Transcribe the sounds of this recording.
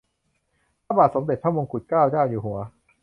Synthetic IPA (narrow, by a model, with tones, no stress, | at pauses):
a˧˥baː˨˩t̪so˩˦mde˨˩t̪̚ʰa˥˩mo˧ŋkʰu˨˩t̪̚kaː˥˩wt͡ɕaː˥˩wjuː˨˩ɦu˩˦ɐ